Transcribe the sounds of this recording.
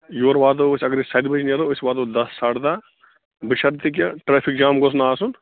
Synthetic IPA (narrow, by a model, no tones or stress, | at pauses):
joːɾʋaːd̪oːsʲɐɡəɾisɐjd̪bɐt͡ʃnɐɾosʲʋaːd̪od̪ɐsːaːʈd̪aː | bɨʃɐɾt̪ik̬ʲjɐʈɾeːpʰik̚d͡ʒaːmɡos̬naːsun